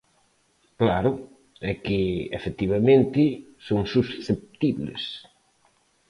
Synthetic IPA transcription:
klaɾʊ | ɛkɪefet̪iβamẽnt̪ɪsoŋsusθep̚t̪iβlɪ̰s

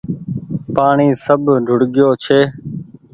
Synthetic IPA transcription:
paːɳiːsəbʱɖʱʊɽɠɪjoːt͡ʃʰeː

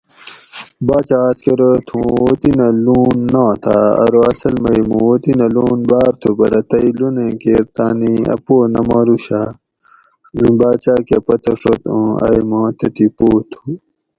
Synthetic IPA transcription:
baːt͡ɕaːskeɾot̪ʰũot̪inɐluːnːãːt̪ʰa̰ɐ̰ɾoɐsɐlmɐjmũot̪inɐluːnbaːɾt̪ʰupɐ̰ɾɐt̪ɐilunẽkeːɾt̪aːniɐ̰poːnɐmaːɾuɕa | ĩbaːt͡ɕaːkepɐt̪ɐʂot̪ũɐ̰jmãːt̪ɐt̪ipoːt̪ʰu̥

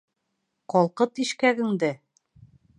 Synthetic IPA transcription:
qɒlˠqɤt̪iʃkæɡɘ̆ŋd̪ɘ

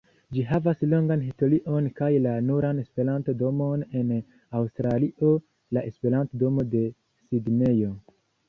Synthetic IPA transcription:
d͡ʒiɦavaslo̞ŋɡanɦisto̞liʔo̞nkajlanuɾane̞spe̞ɾantodo̞mo̞ne̞n | awstɾaliʔo | laʔe̞spe̞ɾantodo̞mo̞de̞ | sidne̞jo̞

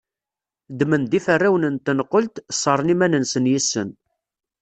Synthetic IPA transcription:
d̪mənd̪ifərːæwnənt̪ːənəqːolt̪sˤːəɾˤənimænənsənjisːən

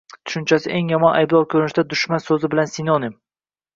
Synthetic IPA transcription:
t̪ʰʊ̥ʃʊnt͡ʃʰasɪʔe̞ŋjɒmɒnʔajblˠɒwkʲʰɵɾɪnɪʃd̪ad̪ʊʃmansɵzɪbɪlansɪnɒnɪm

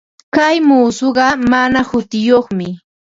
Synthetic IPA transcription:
kajmuːsoɢɑmanahʊt̪ɪjoχmɪ

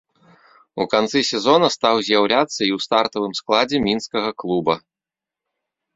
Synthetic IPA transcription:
ukant̪sɨsʲɛzɔnɐst̪awzʲjawlʲat̪sːɐiwst̪art̪ɐvɨmsklˠad͡zʲɛmʲinskɐɣɐklˠubɐ

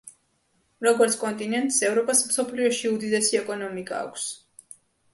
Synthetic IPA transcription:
ɾɔɡɔɾt̪sʰkʼɔnt̪ʼinɛnt̪ʼsɛvɾɔpʼasmsɔpʰliɔʃiud̪id̪ɛsiɛkʼɔnɔmikʼa̰ːkʷʰs

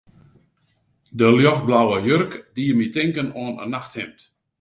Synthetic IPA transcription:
dəljɔxblawəjørkdijəmitɪŋkənoənə̰naxthɪmt

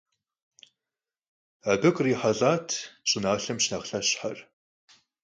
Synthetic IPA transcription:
abɨkʼriːħaɮaːtʰt͡ʃʼɪnaːɬɐmʃnɐʁɬɐɕħar

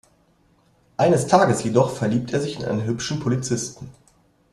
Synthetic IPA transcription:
ʔaɪnəstʰaːɡəsjedɔχfɛɐliːp̚tʰeːɐzɪçɪnʔa̰ɪnənɦʏpʃn̩pʰolit͡sɪstn̩

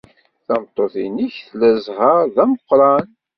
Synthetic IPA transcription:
θæmt̪ˤːoθiniçθlæzɦəɾðæmqːɾˤɑn

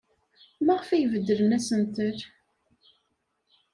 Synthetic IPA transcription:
mæʁəfæjəvəd̪ːələnæsənt̪əɾ

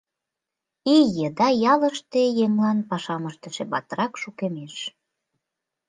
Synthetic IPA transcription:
ijəd̪ɑjɑlə̆ʃt̪ejeŋlɑnpɑʃɑməʃt̪ə̆ʃĕbɑt̪əɾɑkʃukemeʃ

